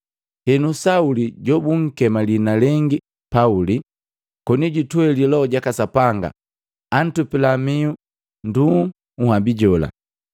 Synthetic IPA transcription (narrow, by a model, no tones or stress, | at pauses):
hɛnusauliɟɔbuŋ̩kɛmalinalɛŋɡi | pauli | kɔniɟitwɛlilɔɟakasapaŋɡa̰ | an̩tupilamiu | ndu | uhabiɟɔla̰